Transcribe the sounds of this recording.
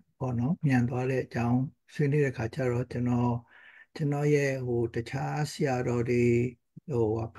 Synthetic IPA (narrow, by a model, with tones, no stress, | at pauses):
bɔ˦˨nɔ˦mjã˨nt̪̬wa˦ɾɛ˦ʔət͡ɕã˦ʊ̃ | swe˦ne˦ɾɛ˦ʔəkʰa˨t͡ɕa˦˨ɹɔ˦˨t͡ɕə˦nɔ˦˨t͡ɕə˨nɔ˦˨jɛ˦˨ho˨tət͡ɕʰa˦səja˨dɔ˨d̪e˨ | o˨wa˨